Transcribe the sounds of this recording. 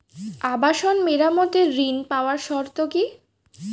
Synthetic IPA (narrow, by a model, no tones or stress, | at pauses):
abaʃonmeɾamɔt̪eɾːinpaoaɾʃɔɾt̪oki